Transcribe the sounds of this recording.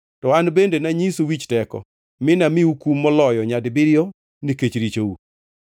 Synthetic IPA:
tɔanbendenaɲisowit͡ʃtɛkɔ̰ | mɪnamɪukumːɔlɔjɔɲadbɪɾɪjo | niket͡ʃɾit͡ʃou

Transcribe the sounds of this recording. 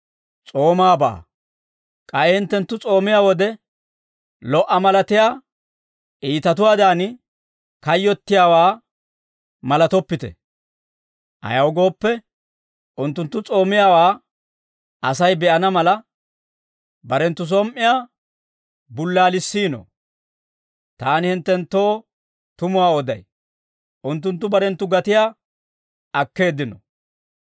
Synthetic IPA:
t͡sʼo̞ːmaːba̰ː | kʼɐɛhɪnt̪ːɛnt̪ːʊt͡sʼo̞ːmɪjaːwɔd̪ɛ | lɔʔɐmɐlɐt̪ɪjaː | ʔiːt̪ɐt̪ʊwaːd̪aːn | kɐjːɔt̪ːɪjaːwaː | mɐlɐt̪ɔpːɪt̪ɛ̰ | ʔɐ̰jɐwɡo̞ːpːɛ | ʔʊnt̪ːʊnt̪ːʊt͡sʼo̞ːmɪjaːwaː | ʔɐsɐjbɛʔɐnɐmɐlɐ | bɐɾɛnt̪ːʊs̬ɔmʔɪjaː | bʊlːaːlɪsːiːno̰ | t̪aːnɪhɪnt̪ːɛnt̪ːo̞ː | t̪ʊmʊwaːɔd̪ɐ̰j | ʔʊnt̪ːʊnt̪ːʊbɐɾɛnt̪ːʊɡɐt̪ɪjaː | ʔɐkːe̞ːd̪ɪnɔ̰

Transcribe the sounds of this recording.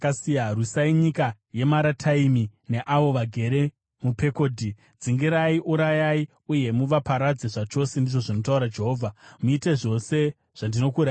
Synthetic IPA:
kasijarusaiɲika | je̞maɾatʰaimine̞ʔaʋo̞ʋaɡʱe̞ɾe̞ | mupe̞ko̞ːdʱi | d͡ziŋɡiɾaiʔuɾajai | uje̞muʋapaɾad͡zeʐat͡ʃo̞sendiʐo̞ʐino̞tauɾad͡ʒe̞ɦo̞ːvʱamuite̞ʐo̞se̞ | ʐ̥andino̞kuɾa

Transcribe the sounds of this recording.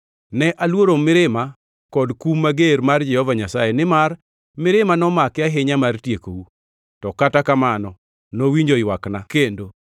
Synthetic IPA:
nɛʔalwoɾomɪɾɪma | kɔdkumːaɡeɾmard͡ʒɛhɔvaɲasajenɪmar | mɪɾɪmanɔmakɪaɦɪɲamartjeko̰wu | tɔkatakamanɔ | nowiɲd͡ʒojwaknakendo

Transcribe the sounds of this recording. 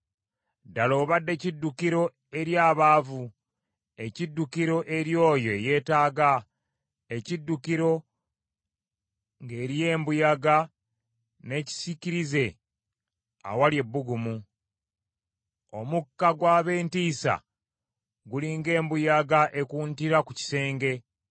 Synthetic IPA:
dalo̞ːβadːe̞cidːukiɾo̞ | e̞ɾjaːβaːvu | e̞cidːukiɾo̞ʔe̞ɾjo̞ːjo̞eje̞ːtaːɡa | e̞cidːukiɾo̞ | ŋɡe̞ːɾije̞ːmbujaɡa | ne̞ci̥siciɾize̞ | a̰walje̞bːuɡumu | o̞̰mukːaɡwaːβe̞ːntiːsa̰ | ɡuliːŋɡe̞ːmbujaɡaʔe̞kuːntiɾakuci̥se̞ːŋɡe̞

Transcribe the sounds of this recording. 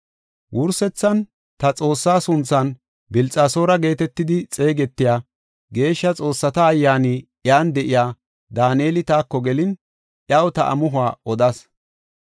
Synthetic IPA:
wʔʊɾsɛt͡sːɐn | t̪ɐt͡sʼo̞ːsːaːsʊnt͡sːɐn | bɪlt͡sʼaːso̞ːɾɐɡe̞ːt̪ɛt̪ːɪd̪ɪt͡sʼe̞ːɡɛt̪ːɪjaː | ɡe̞ːʃːɐt͡sʼo̞ːsːɐt̪ɐːjːaːni | jaːnd̪ɛʔɪjaː | d̪aːneːlɪt̪aːkːɔɡɛlɪn | ʔjɐwt̪ɐʔɐ̰mʊɦʊaːɔd̪ɐs

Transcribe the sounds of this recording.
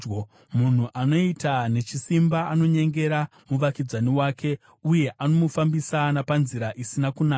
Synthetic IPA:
mun̤uʔano̞itane̞t͡ʃisimbaːno̞ɲe̞ŋɡe̞ɾa | muʋakid͡zaniwaːke̞ | uje̞ʔano̞mufambisanapanziɾaʔisinakunaː

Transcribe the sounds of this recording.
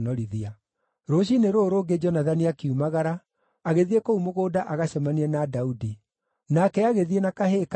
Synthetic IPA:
nɔɾiðia | ɾoɕ̬ineɾoːɾoːɡed͡ʒɔnaðaniakeumaɣaɾaː | ɣeðiekoumoɣoːdaʔaɣaɕɛmaniɛnadaudi | nakɛaɣeðienakahek

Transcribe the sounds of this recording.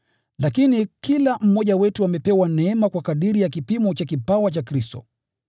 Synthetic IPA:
lakinikʰilam̩mɔʄawɛtuamɛpɛwanɛɛmakwakaɗiɾijakipimɔt͡ʃakipawat͡ʃakɾistɔ̰

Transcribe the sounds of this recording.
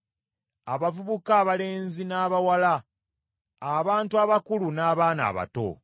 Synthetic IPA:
aβavuβukaːβale̞ːnzinaːβawala | βaːntuaβakulunaːβaːna̰ːβa̰to̰

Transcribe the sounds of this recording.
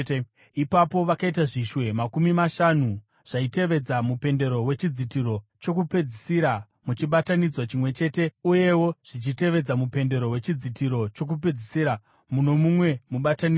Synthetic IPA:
ipapo̞ʋakaitaʐiʃwe̞makumimaʃanu | ʐ̥aite̞ʋe̞d͡zamupe̞nde̞ɾo̞we̞t͡ʃid͡zitiɾo̞t͡ʃo̞kupe̞d͡zisiɾa | mut͡ʃiɓatanid͡zwat͡ʃimwe̞t͡ʃe̞ːte̞uje̞wo̞ʐ̥it͡ʃite̞ʋe̞d͡zamupe̞nde̞ɾo̞we̞t͡ʃid͡zitiɾo̞t͡ʃo̞k̬up̬e̞d͡zisiɾa | muno̞mumwe̞muɓatani

